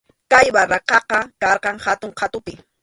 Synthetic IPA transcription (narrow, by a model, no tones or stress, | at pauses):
kajbaɾɑqɑqɑkɑɾqɑŋhat̪ʊŋqʰat̪ʊpɪ